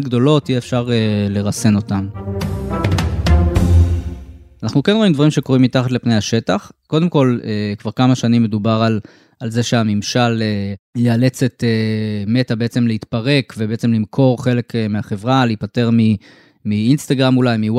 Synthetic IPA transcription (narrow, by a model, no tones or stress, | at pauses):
tɡd̪o̞lo̞t̪ijeefʃaʁele̞ʁase̞no̞tam | anaχnukenʁo̞imd̪vaʁimʃe̞ko̞ʁimːit̪aχat̪lepnejaʃe̞taχko̞d̪e̞mko̞lekvaʁkamaʃanimːe̞dubaʁal | alze̞ʃeamimʃalejeale̞t͡se̞t̪eme̞tabe̞et͡se̞mleit̪paʁe̞kvebeet͡se̞mlimkʰo̞ʁχe̞le̞kmeaχe̞vʁaleitpate̞ʁmi | miinst̪aɡʁamulajmiw